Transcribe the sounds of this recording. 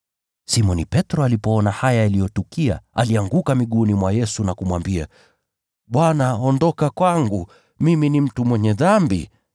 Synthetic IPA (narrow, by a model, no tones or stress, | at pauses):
simɔnipɛtɾɔalipɔɔnahajaalijɔtukia̰a̰liaŋɡukamiɠunimwajɛsunakumwambia | ɓwanaɔndɔkakwaŋɡu | miminim̩tumwɛɲɛðambḭ